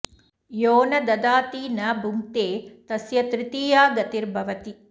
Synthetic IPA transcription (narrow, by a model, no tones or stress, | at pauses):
joːnɐd̪ɐd̪aːt̪iːnɐbʱumt̪eːt̪ɐsjɐt̪ɾɪt̪iːjaːɡɐt̪iɾbʱɐʋɐt̪i